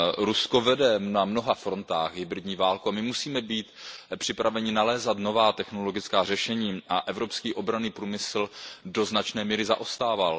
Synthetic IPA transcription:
ɾusko̞vɛdɛnamno̞ɦafɾo̞nt̪aːɣɦɪbɾɪdɲiːvaːlkuamɪmusiːmɛbiːt̪pr̥ɪpɾavɛɲɪnalɛːzat̪no̞vaːt̪ɛxno̞lo̞ɡɪt͡skaːr̝ɛʃɛɲiːaʔɛvɾopskiːʔo̞bɾaniːpɾuːmɪsldo̞znat͡ʃnɛːmiːɾɪza̰ʔost̪aːval

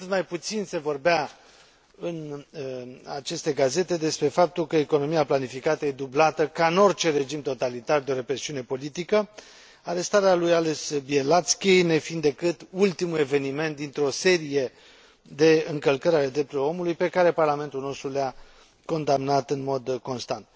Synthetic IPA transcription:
t̪ɨt̪majput̪sinse̞vo̞rbea | ɨn | a̰t͡ʃe̞st̪e̞ɡaze̞t̪e̞d̪e̞spɾe̞fap̚t̪ulkəeko̞no̞miaplanifikat̪əe̞d̪ublat̪əkaɨno̞rʲt͡ʃe̞ɾe̞d͡ʒimt̪o̞t̪alit̪ard̪eo̞ɾe̞pɾe̞siune̞po̞lit̪ikə | aɾe̞st̪aɾealujalesbielat̪skʲejne̞find̪d̪e̞kɨt̪ult̪imule̞ve̞nime̞nt̪̚d̪int̪ɾeo̞se̞ɾije̞ | d̪e̞ɨŋkəlkəɾʲale̞d̪ɾe̞p̚t̪uɾo̞mulujpe̞kaɾe̞parlame̞nt̪ulno̞st̪ɾulea | ko̞nd̪amnat̪ɨnmo̞d̪ko̞nst̪ant̪̚

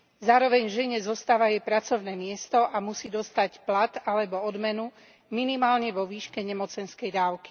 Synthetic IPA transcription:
zaːɾɔʋɛɲvʒɛɲɛzɔst̪aːʋajɛpɾat͡sɔʊnɛːmɪɛst̪ɔʔamusiːd̪ɔst̪acplat̪alɛbɔɔd̪mɛnu | minimaːlɲɛʋɔʋiːʃkɛɲɛmɔt͡sɛnskɛjd̪aːʊki̥

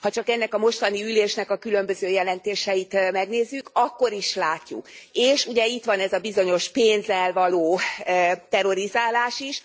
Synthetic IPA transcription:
hɒt͡ʃɒkɛnːɛkɒmo̞ʃt̪ɒniyleːʃnɛkɒkylø̞mbøzøːjɛlɛnt̪eːʃɛjit̪mɛɡneːzːykɒkːo̞ɾiʃlaːcːṵkeːʃuɟɛit̪ʋɒnɛzɒbizo̞ɲo̞ʃpeːnzɛlvɒloː | t̪ɛɾo̞ɾizaːlaːʃiʃ

